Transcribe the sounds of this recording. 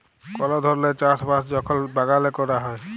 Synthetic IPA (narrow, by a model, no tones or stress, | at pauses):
kɔlɔd̪ʱɔɾlet͡ʃasbasd͡ʒɔkʰɔlbaɡalekɔɾaɦɔe